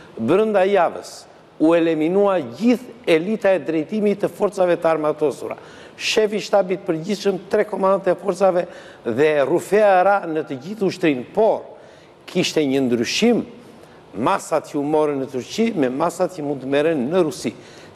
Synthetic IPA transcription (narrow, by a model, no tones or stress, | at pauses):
bɾənd̪ajavə̰s | uɛlɛminuaɟiθɛlit̪aɛd̪ɾɛjt̪imit̪əfɔɾt͡savɛt̪əaɾmat̪ɔsṵɾa̰ | ʃɛfiʃt̪abit̪̚pəɾɟiθʃəmt̪ɾɛkɔmand̪at̪ɛfɔɾt͡savɛ | ðɛrufɛaɾanət̪əɟiθuʃt̪ɾinpɔɾ | kʰiʃt̪ɛɲənd̪ɾyʃimː | asat̪jəumɔɾənːət̪uɾimɛmasat̪jəmunt̪əmɛɾənːəɾusi